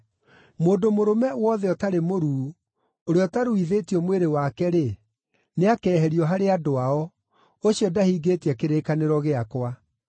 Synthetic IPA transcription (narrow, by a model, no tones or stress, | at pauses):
moːdomoɾomɛwɔðɛɔtaɾemoɾuː | oɾeɔtaɾuiðeːtiɔmweɾewakɛɾe | neakɛːɦɛɾiɔɦaɾeadoaɔ | oɕiɔdahiːɡeːtiɛkeɾeːkaneɾɔɣeakwa